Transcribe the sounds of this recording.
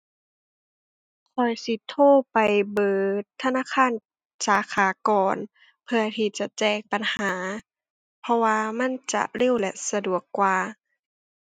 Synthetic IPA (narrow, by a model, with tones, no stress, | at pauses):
kʰɔ˨˩jsi˧˦t̪ʰoː˧˥˩pa˨jbɤː˨˩t̪ʰːa˧˨naː˧˥˨kʰaː˧˥˨n | saː˨˦kʰaː˨˩˦kɔː˨˩n | pʰɯ˧ɐt̪ʰiː˧˩t͡ɕa˨˩t͡ɕɛː˧˩ŋ̚pa˨nhaː˨˦ | pʰɔ˧waː˧ma˧˥˨nt͡ɕa̰˧˨le˧˥˨wlɛ̰˧ʔsa˧du˨˩əkːwaː˨˧